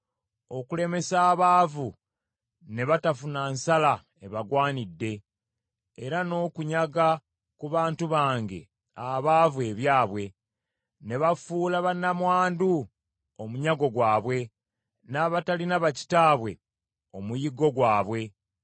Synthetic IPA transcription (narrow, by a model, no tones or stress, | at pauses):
o̞kule̞me̞saːβaːvu | ne̞βatafunansala | eβaɡwaːnidːe̞ː | ɾano̞ːkuɲaɡa | kuβaːntuβaːŋɡe̞̰ | aβaːvue̞βjaːβwe̞ | ne̞βafuːlaβanːamwaːndu | omuɲaɡo̞ɡwaːβwe̞ | naβatalinaβaci̥taːβwe̞ | o̞mujiɡo̞ɡwaːβwe̞